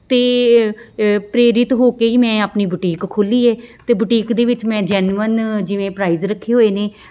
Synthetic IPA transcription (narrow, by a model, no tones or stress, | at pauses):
t̪eː | pɾeːɾɪt̪ɦoːkeːiːmɛ̃ːaːpniːbəʈiːkkʰːoːliːɛːt̪eːbəʈiːkd̪eːʋɪt͡ʃmɛ̃ːd͡ʒɛːnʋənd͡ʒɪʋẽːpɾaːiːzɾəkʰːeːɦoːeːneː